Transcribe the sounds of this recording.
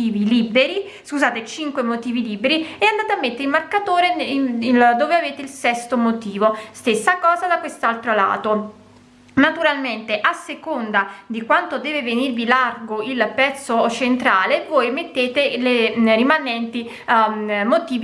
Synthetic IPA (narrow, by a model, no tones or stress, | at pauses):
iːvilibeɾi | skuzaːt̪et͡ʃiŋkwemot̪iːviliːbeɾiɛand̪aːt̪amːet̪ːeɾilmarkat̪oːɾeld̪oːveaveːt̪eilsɛst̪omot̪iːvost̪esːakɔːzad̪akwest̪alt̪ɾola̰ːt̪o | nat̪uɾalment̪eʔasːekond̪ad̪ikwant̪od̪ɛːvevenirvilarɡoilpɛt̪sːot͡ʃent̪ɾaːlevoːjmet̪ːeːt̪elerimanɛnt̪i | mot̪iːv